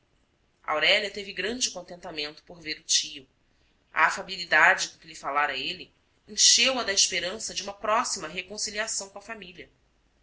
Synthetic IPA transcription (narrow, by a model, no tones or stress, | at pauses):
a̰wɾɛliɐt̪eviɡɾɐ̃d͡ʒɪkõnt̪ẽnt̪amẽnt̪ʊ̥poɾveɾʊt͡ʃiʊ | ɐ̰ːfabilid̪ad͡ʒɪkõkɪlifalaɾɐeli | ẽʃewɐd̪ɐiʃpeɾɐ̃sɐd͡ʒɪũmɐpɾɔsimɐɦekõsiliasɐ̃w̃kõɐfamiliɐ